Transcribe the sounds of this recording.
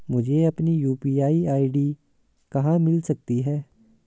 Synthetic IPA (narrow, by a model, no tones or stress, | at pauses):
mʊd͡ʒʱeːəpniːjuːpiːaːiːaːiɖiː | kəɦãːmɪlsək̚t̪iːɦɛː